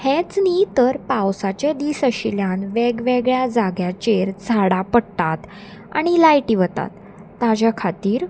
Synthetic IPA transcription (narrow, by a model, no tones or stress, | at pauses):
het͡snit̪əɾpawsat͡ɕed̪iːsəɕiljanʋeɡʋeɡɭjad͡zaɡjat͡ɕeɾd͡zʱaɽapəɽt̪at̪ | a̰ɽ̃ilajʈiʋət̪a̰t̪ː | ad͡ʑjakʰat̪iːɾ